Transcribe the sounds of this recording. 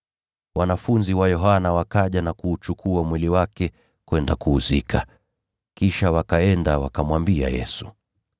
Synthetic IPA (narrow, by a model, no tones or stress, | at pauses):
wanafunziwajɔɦanawakaʄanakuːt͡ʃukʰuamwiliwakɛ | kwɛndakuːzikʰa | kiʃawakaɛndawa̰kamwambia̰jɛ̰su̥